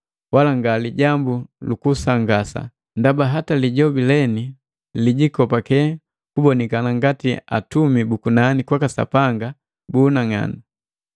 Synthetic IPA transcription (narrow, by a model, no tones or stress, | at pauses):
walaŋɡaliɟambulukusaŋɡasa̰ | ndabaɦataliɟɔbilɛni | liɟikɔpakɛ | kubɔnikanaŋɡatia̰tumibukunanikwakasa̰paŋɡa | buːnaŋa̰ni